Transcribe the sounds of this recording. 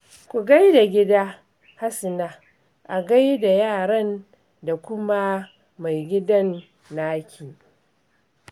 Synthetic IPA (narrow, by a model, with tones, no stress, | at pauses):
kʷu˨ɡa˦jda˨ɡʲɪ˦daː˦ | ha˦sɪ˨naː˦ | ʔa˨ɡa˦jda˨jaː˦˨ɾɐ˦n | da˨kʷʊ˦ma˦ | ma˨jɡʲɪ˦dɐ˦nː | aː˦kʲʰiː˨